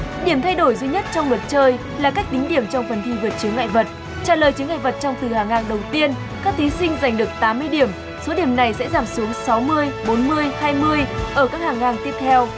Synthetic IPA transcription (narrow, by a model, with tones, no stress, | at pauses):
ɗi˧˩əmt̪ʰa˧jɗo˧˩jzwi˧ɲə˦˥t̚t͡ɕɔ˧wŋ͡mlwə˨˩t̚t͡ɕəː˧j | laː˨˩ka˦˥k̟̚t̪ï˨˦ŋ̟ɗi˧˩əmt͡ɕɔ˧wŋ͡mfə˨˩nt̪ʰi˧vɨ˨˩t̚t͡ɕɨ˨˦əŋːʔa̰ː˧˨jvə˨˩t̚ | t͡ɕaː˧˩ləː˨˩jt͡ɕɨ˨˦əŋʔa̰˧˨və˨˩t̚t͡ɕɔ˧wŋ͡mt̪ɨ˨˩haː˨˩ŋːaː˨˩ŋɗə˨˩wt̪i˧ən | kaː˦˥k̚t̪ʰi˨˦sï˧ŋ̟za˨˩jŋ̟ɗɨ˨˩ək̚t̪aː˨˦mːɨ˧əjɗi˧˩əm | so˨˦ɗi˧˩əmna˨˩jsɛ̰˧˥zaː˨˩msu˨˦əŋsa˨˦wmɨ˧əjɓo˨˦nmɨ˧əjhaː˧jmɨ˧əjʔəː˧˩kaː˦˥k̚haː˨˩ŋːaː˨˩ŋt̪i˦˥əp̚t̪ʰɛ˧w